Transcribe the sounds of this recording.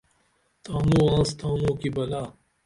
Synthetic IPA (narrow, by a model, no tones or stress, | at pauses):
t̪aːmũːãːst̪ʰãːnõːkibɐlaː